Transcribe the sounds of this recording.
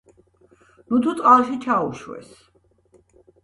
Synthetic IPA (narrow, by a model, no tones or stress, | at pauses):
nut̪ʰut̪sʼqʼalˠʃit͡ʃʰauʃwɛ̰s